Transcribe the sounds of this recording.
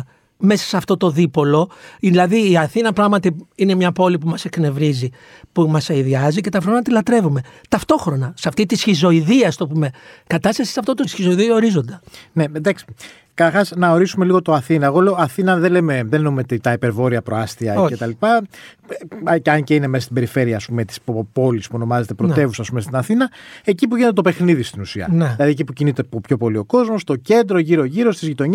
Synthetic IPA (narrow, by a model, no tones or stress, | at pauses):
me̞sɐ̥sɐft̪o̞t̪o̞ðipo̞lo̞ðilɐðiːɐθinɐpɾɐɣmɐt̪iine̞mɲɐpo̞lipumɐse̞kne̞vɾizi | pumɐseiðiɐzice̞t̪ɐft̪oɾonɐt̪ilɐt̪ɾe̞vume̞t̪ɐft̪o̞xɾo̞nɐsɐft̪it̪isçizo̞iðiɐst̪o̞pume̞kɐt̪ɐst̪ɐsi̥sɐft̪o̞t̪osçizo̞iðioɾizo̞nd̪ɐne̞end̪ɐksi̥ | kɐt̪ɐɾxɐsnɐo̞ɾisume̞liɣo̞t̪oɐθinɐeɣo̞le̞o̞ɐθinɐðeleme̞ðennumet̪it̪ɐipe̞ɾvo̞ɾiɐpɾo̞ast̪iɐcet̪ɐlipɐ | cɐnceineme̞sɐst̪ibe̞ɾife̞ɾiɐːspume̞t̪i̥spopo̞lispuo̞no̞mɐzet̪epɾoe̞vusɐspumest̪inɐθinɐe̞cipuʝineet̪ope̞xniðist̪inusiɐ̰nðilɐðiecipucinit̪eopço̞po̞lio̞ko̞zmo̞st̪o̞ce̞nd̪ɾo̞ʝiɾo̞ʝiɾo̞st̪izʝit̪o̞ɲ